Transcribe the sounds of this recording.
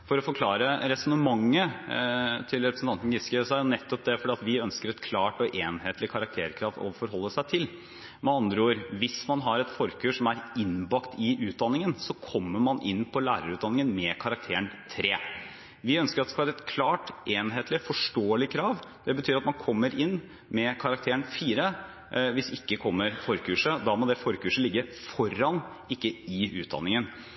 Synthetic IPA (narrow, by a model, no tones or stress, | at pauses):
fɔɾɔfɔɾkʰlɑːɾəɾɛsɔnəmɑŋːə | t̪ʰɪlɾɛpɾəsn̩ʰɑnt̪n̩ɡɪskəsɑːnɛt̪ːɔp̚d̪ɛfɔɖiːɑt̪ʋɪœnskəɾɛt̪kʰlɑːʈɔʔeːnheːt̪lɪkʰɑɾɑk̚t̪ʰeːɾkʰɾɑːʋɔ̰fɔɾɦɔlːəsæɪt̪ʰɪl | mɛɑnd̪ɾəoːɾʋɪsmɑnɦɑɾɛt̪fɔɾkʰøːʂɔmæɾɪnbɑkt̪ɪʔʉːt̪̚d̪ɑnːɪŋənsɔkʰɔmːəmɑnʔɪ̰nːpʰɔlæːɾəɾʉːt̪d̪ɑnɪŋənmɛkʰɑɾɑk̚t̪ʰeːəɳt̪ʰɾeː | ʋɪœnskəɾɑt̪d̪ɛskɑlɛt̪kʰlɑːʈʔeːnɦeːt̪ʰlɪfɔʂʈoːəlɪkʰɾɑːʋd̪̥ɛbət̪ʰyːɾɑt̪mɑnkʰɔmːəɾɪnː | mɛkʰɑɾɑk̚t̪ʰeːənfiːɾə | ʋɪsɪkːəkʰɔmːəɾfɔɾkʉːʂəd̪ɑmɔd̪ɛfɔɾkʉːʂəlɪɡːəɾfɔɾːɑn | ɪkːəɪʉːt̪̚d̪ɑ̰nːɪŋən